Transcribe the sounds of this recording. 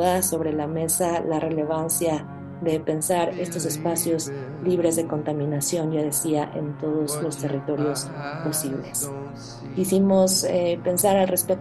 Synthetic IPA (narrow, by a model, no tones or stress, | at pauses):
ðaso̞βɾe̞lame̞salare̞le̞β̞ansja | ðe̞pe̞nsaɾe̞st̪o̞se̞spasjo̞z | liβɾe̞zðe̞ko̞nt̪amĩnasjo̞nd͡ʒaðe̞siaʔe̞̰nt̪o̞ðo̞zlo̞st̪e̞rit̪o̞ɾjo̞spo̞siβle̞s | kisimo̞sepe̞nsaɾalre̞spe